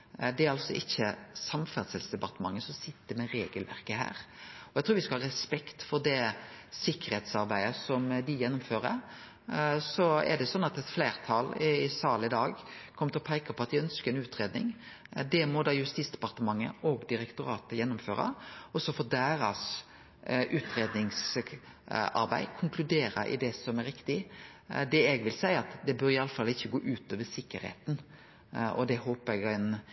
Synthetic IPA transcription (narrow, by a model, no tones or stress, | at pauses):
d̪ɛæɾɑlsɔʔɪçːəsɑmfæʁd̪sɛlsd̪ɛpɑɾt̪əmɑŋːəsɔmsɪt̪ːəmɛɾeːɡəlʋæ̰ɾkəhæ̰ːɾɔjæɪt̪ʰːʋɪskɑhɑːɾɛspɛkt̪fɔɾd̪ɛsɪkːəɾheːt̪sɑɾbæɪəsɔmd̪ɪjɛnːʊmføːɾə̰ɾ | sɔɛ̰d̪ɛsɔnːɑt̪ɛt̪fleːɾt̪ʰɑlsɑːləɪd̪ɑːɡkʰɔmːt̪ʰlɔpʰæɪkəpʰɔɑt̪̚ʋɪœnskəɾɛnʉːt̪ɾeːd̪nɪ̰ŋ | d̪ɛmɔd̪ɑːjʉst̪iːsd̪ɛ̥pɑʁt̪əmɑŋːə̰ʔɔɡd̪ɪɾɛkt̪ʊɾɑːt̪əjɛnːʊmføːɾɑ̰ɔsɔfɔd̪æːɾɑs | ʔʉːt̪ɾeːd̪nɪŋs | ɑ̰ɾbæ̰ɪkʰʊŋkʰlʉd̪eːɾə̰ʔɪ̰d̪ɛsɔmɛɾɪkt̪ɪ | d̪ɛɛɡʋɪlsæɪəɑt̪d̪ɛbøːɾɪɑlːəfɑlːɪçːəɡoːʔʉːt̪oːʋəsɪkːəɾhḛːt̪n | ɔ̰d̪ɛhoːpəɾɛɡæɪn